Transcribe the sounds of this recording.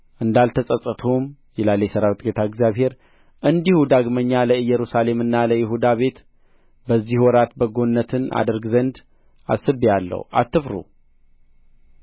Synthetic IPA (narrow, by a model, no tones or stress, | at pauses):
ʔɨnd̪alt̪ʰəsʼəsʼət̪ʰom | jɛlalːejsəɾawt̪ʼɡet̪ʰaəɡzjaβhe̞ɾ | ʔɨnd̪ihud̪aɡməɲːaləɨjːɛɾusale̞mɨnːaləjɪɦud̪aβe̞t̪ | bəzːihwɔɾat̪bəɡo̞nːət̪ʰɨna̰d̪əɾɡzənd̪ | a̰sɨbialːə̰wa̰t̪ːɨfɾṵ